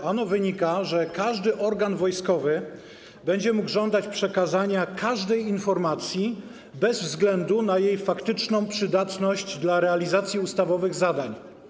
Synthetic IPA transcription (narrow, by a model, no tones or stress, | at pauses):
anɔvɘɲikaʐɛkaʐd̪ɘʔɔɾɡanvɔjskɔvɘ | bɛɲd͡ʑɛmuɡʐɔnd̪at͡ɕpʂɛkazaɲakʰaʐd̪ɛjinfɔɾmat̪sʲji | bɛzvzɡlɛnd̪unajejfakt̪ɘt͡ʂnɔ̃w̃pʂɘd̪at̪nɔɕd͡ʑd̪laɾɛalʲizat̪sʲjiust̪avɔvɘɣzad̪aɲ